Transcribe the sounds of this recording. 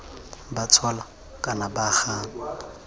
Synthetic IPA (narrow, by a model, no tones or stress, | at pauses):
bat͡sʰwala | kʼanabaχaːŋ̩